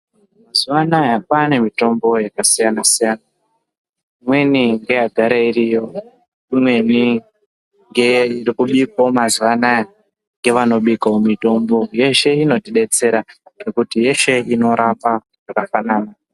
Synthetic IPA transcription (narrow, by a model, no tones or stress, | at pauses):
mazuʋanajakane̞mito̞mbo̞jakasijanasijaːna | imwe̞niŋɡe̞jaɡʱaɾairijo̞ | imwe̞ni | ŋɡeirikuɓikomazuʋana | ŋɡe̞ʋano̞ɓikaomito̞mbo̞je̞ʃe̞ino̞tiɗe̞t͡se̞ɾarekutije̞ʃe̞ino̞ɾapa | jakafanaːna